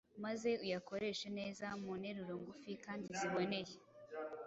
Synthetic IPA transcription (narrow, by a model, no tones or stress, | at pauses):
maze̞ujako̞ɾe̞ʃene̞ːzamune̞ɾuɾoŋɡufikaːndiziβo̞ne̞je